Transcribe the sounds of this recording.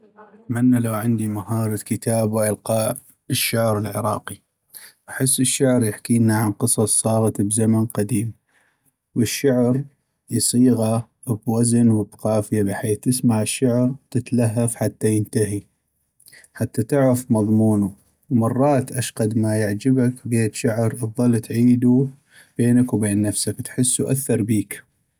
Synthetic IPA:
ʔat̪manːalawʕɪnd̪imahɑːɾˤɑd̪kət̪aːbwʔɪlqɑː | əʃːaʕɾɪlʕɪɾˤɑ̰ːqi | ʔaħɪsːəʃːaʕɾjɪħkiːnːaʕanqɨsˤɑsˤːɑːɣɑt̪bzamanqad̪iːm | wəʃːaʕɾ | jsˤiːɣa | bwaznwɪbqɑːfɪjabɪħeːθt̪ɪsmaʕɪʃːaʕɾt̪ɪt̪laɦːafħat̪ːajɪnt̪aɦi | ħat̪ːat̪ɪʕɾafmɑðˤmuːnu | wmɑrˤːɑːt̪ʔaʃqɑd̪majɪʕd͡ʒɪbakɡeːt̪ʃaʕɾʔðˤɑlːt̪ʕiːd̪u | b̥eːnakwbeːnːafsakt̪ħɪsːuʔaθːɑɾˤbiːk

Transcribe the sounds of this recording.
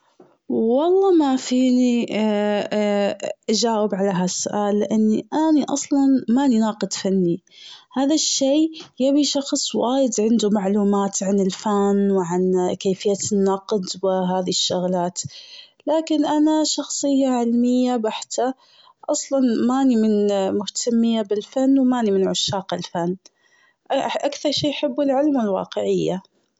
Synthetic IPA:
wɑlˤːɑːmafiːni | ʔad͡ʒaːwɪbʕalaɦasʊʔaːlːɪʔanːiʔaniʔɑ̰sˤlɑnmannɑːqɨd̪fanːi | haːðaʃːeːjabiʃɑxsˤwaːjɪd̪ʕɪnd̪umaʕluːmaːt̪ʕanɪlfanwʕankeːfɪjːanːɑqd̪wɪɦaːðiʃːʊɣlaːt̪ | laːkɪnʔanaʃɑxsˤɨjːaʕɪlmɪjːabaħt̪a | ʔɑsˤlɑnmaːnimɪnmʊht̪ʰamːɪjabɪlfanːwmaːnimɪnʕʊʃːaːqɪlfanː | ʔʔakθɑɾˤʃiːjħɪbːɪlʕɪlmɪlwɑ̰ːqɪʕɪjːa

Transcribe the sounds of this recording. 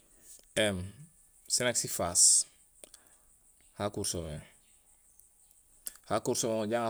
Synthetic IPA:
ɛm | sinaksifas | hakuɾsomɛŋ | hakuɾsomɛŋoɟaŋa

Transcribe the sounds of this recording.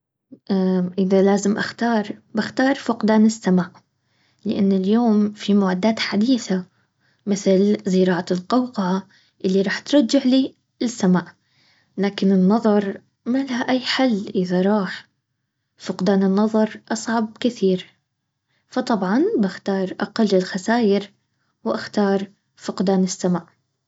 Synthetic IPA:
ʔʔɪðalaːzɪmʔa̰xt̪ɑːɾˤbɪxt̪ɑːɾˤfʊqd̪aːnɪsːamaːʔ | lɪʔanːɪljoːmfimʊʕad̪ːaːt̪ħad̪iːθa | mɪθlzɪɾˤɑːʕalqɑwqɑʕa | ʔɪlːiɾˤɑːħt̪ɾˤɑd͡ʒːɪʕliː | ɪsːamaːʔ | laːkɪnɪnːɑðˤɑɾˤ | malahaʔajːħalːʔɪðaɾˤɑːħ | fʊqd̪aːnɪnːɑðˤɑɾˤʔɑsˤʕɑb̚kɪθiːɾ | fɑt̪ˤɑbʕɑnbɪxt̪ɑːɾˤʔaqalːɪlxasaːjɪɾ | wʔaxt̪ɑːɾˤ | fʊqd̪aːnɪsːamaːʔ

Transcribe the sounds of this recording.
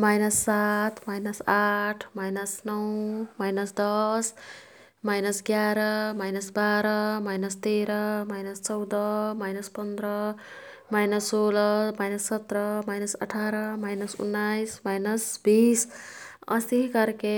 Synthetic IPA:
majnʌsːat̪ʰmajnʌsaʈʰmajnʌsnʌwmajnʌsd̪ʌs | majnʌsɡjaɾʌmajnʌsbaɾʌmajnʌst̪eɾʌmajnʌst͡sʌwd̪ʌmajnʌspʌnd̪ɾʌ | majnʌssolʌmajnʌsːʌt̪ɾʌmajnʌsʌ̰ʈʰaɾʌmajnʌsṵnːajsmajnʌsbisʌ̰siɦikʌɾke

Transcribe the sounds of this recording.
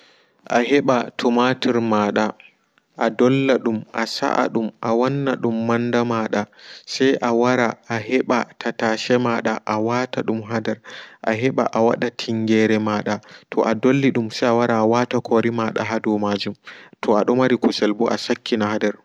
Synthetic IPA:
ʔaɦɛɓatʰɔmatiɾmaːɗa | ʔadɔlːaɗumʔasa̰ʔa̰ɗumʔawanːaɗumːandamaɗasajʔawaɾaaɦɛɓatʰataːʃɛmaɗaʔawataɗumɦadɛɾʔaɦɛɓa̰ʔawa̰ɗatʰiŋɡɛɾɛmaɗatʰɔ̰ʔadolːiɗumsajawaɾaːwatakʰɔɾimaɗa̰ɦadɔmaːd͡ʒumtʰɔaɗɔmaɾikusɛlbɔʔa̰sakːinahadɛɾ

